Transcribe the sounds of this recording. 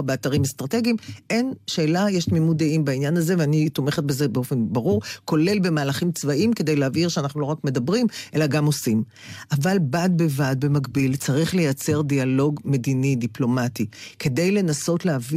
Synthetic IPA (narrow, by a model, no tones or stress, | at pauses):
beataʁimest̪ʁate̞ɡimʔe̞nʃe̞ːlajeʃtmimud̪eimbainjanaze̞veanit̪ome̞χet̚be̞ze̞beo̞fe̞nbaʁuʁko̞le̞lbe̞maːlaχimt͡svaʔimke̞d̪ejleaviʁʃeanaχnulo̞ʁakme̞dɐbʁimʔe̞laɡamosim | ʔavalbat̪̚be̞vat̚be̞makbilt͡saʁiχle̞jat͡se̞ʁdialo̞ɡme̞dinidiplo̞matike̞d̪e̞jle̞naso̞tleavi